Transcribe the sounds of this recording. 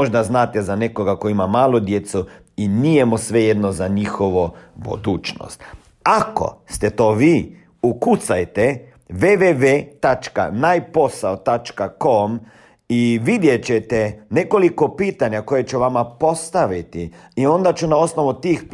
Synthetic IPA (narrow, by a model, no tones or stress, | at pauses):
oʒd̪aznaːt̪ezanekoɡakoimamaːlod̪jet̪su | inijemosʋejed̪nozaɲixoʋobṵd̪uːt͡ʃno̰st̪ | ako̞̰st̪et̪oːʋiː | ukut̪sajt̪e | ʋeʋeʋet̪at͡ʃka̰najpo̞saot̪at͡ʃkakom | iʋid̪jet͡ʃet̪ɛne̞kolikopiːt̪aɲako̞jet͡ʃuʋamapo̞st̪aʋit̪iio̞nd̪at͡ʃunao̞snoʋut̪iːxp